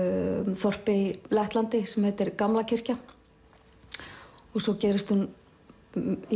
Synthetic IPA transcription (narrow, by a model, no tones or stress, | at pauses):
θɔr̥pɪilɛht̪lant̪ɪsɛmhɛt̪ɪɾkamlacʰɪr̥ca | ɔɣsɔcɛːɾɪst̪hun